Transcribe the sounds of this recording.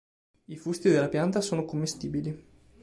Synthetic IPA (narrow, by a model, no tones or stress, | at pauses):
ifust̪id̪elːapjant̪asoːnokomːest̪iːbili